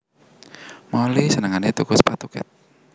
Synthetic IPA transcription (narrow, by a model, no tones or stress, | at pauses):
malisənəŋanit̪ukʊspat̪ukɛ̰t̪̚